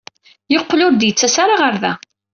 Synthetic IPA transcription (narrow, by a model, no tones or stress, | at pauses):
joqːlʊɾd̪jət͡sːæsaɾaʁəɾðæ